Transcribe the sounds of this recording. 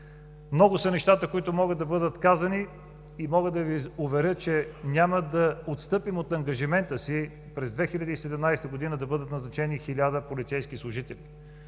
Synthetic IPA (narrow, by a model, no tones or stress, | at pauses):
mnɔɡʊsɐnɛʃt̪at̪əkoit̪ʊmɔɡəd̪ɐbɤd̪ət̪kazəni | imɔɡəd̪d̪ɐviʊvɛɾʲɤt̪̚t͡ʃɛnʲaməd̪ɐot̪st̪ɤpimot̪ɐŋɡɐʒimɛnt̪əsi | pɾɛzd̪vɛxilʲɐd̪əisɛd̪ɛmnajst̪əɡod̪inəd̪ɐbɤd̪ət̪nɐznɐt͡ʃɛnixilʲad̪əpolit̪sɛjskislˠʊʒit̪ɛli